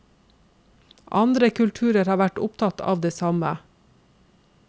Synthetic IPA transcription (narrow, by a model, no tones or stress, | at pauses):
ʔɑ̰nd̪ɾəkʰʉlt̪ʰʉːɾəɾhɑːʋæʈʊpt̪ʰɑt̪ʰɑ̰ːʋd̪eːsɑmə